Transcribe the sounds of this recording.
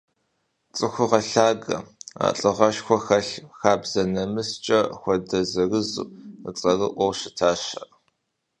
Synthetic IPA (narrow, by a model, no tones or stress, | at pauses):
t͡sʼɨxʷʊʁɐɬaːɡɐ̰a̰ːɬʼɨʁɐʃxʷɔxɐɬxaːbz̥ɐnɐmɨst͡ʃʼɐxʷɔdɐzɐrɨzṵːət͡sʼɐrɨʔʷɔwʃɪtʰaːʃɐ̰ʔ